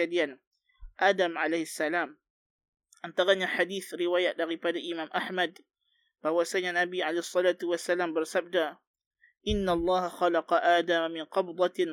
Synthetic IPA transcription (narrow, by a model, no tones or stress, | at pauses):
ad̪jan | ʔaːd̪amʕalajhasːalaːm | ʔant̪aɣanaħad̪iːθɾɪwaːjadaɣifaːd̪alʔɪmaːmʔaħmad̪ | fahʊwasajanʔabiːʕalajːhsˤːɑlaːt̪wasːalaːmbɪɾsabd̪aː | ʔɪnːalˤːɑːhaxɑlɑqɑʔaːd̪ammɪnqɑbd̪ˤɑ